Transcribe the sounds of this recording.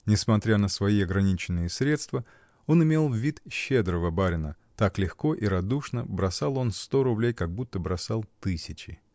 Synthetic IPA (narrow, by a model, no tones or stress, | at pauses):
nʲɪsmɐt̪ɾʲanəsvɐiɐɡɾɐnʲit͡ɕɪnːɨjəsɾʲe̞t̪st̪və | o̞nɪmʲe̞lˠvʲit̪ɕːe̞d̪ɾəvəbaɾʲɪnə | t̪aklʲɪxko̞ʔiɾɐd̪uʂnəbɾɐsalˠo̞nst̪o̞ɾʊblʲejkɐɡ̚but̪ːəbɾɐsalˠt̪ɨsʲɪt͡ɕɪ